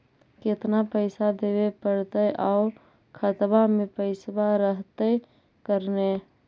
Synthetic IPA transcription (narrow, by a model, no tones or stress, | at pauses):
kɪt̪napəɪsad̪eːwepəɽt̪əʔaʊ | kʰət̪bamẽpəɪsbaɾəɦt̪e | kəɾne